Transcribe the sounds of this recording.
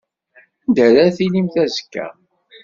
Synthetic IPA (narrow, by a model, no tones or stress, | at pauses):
nd̪æɾæθilimθæzə̥kːæ̰